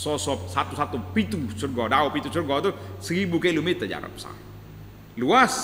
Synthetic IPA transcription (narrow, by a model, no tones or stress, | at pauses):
sɔsɔsat̪usat̪upit̪usurɡɔdaopit̪usurɡɔt̪usəɾibukelumet̪əd͡ʒa̰ɾɔ̰pə̥sa̰m | luas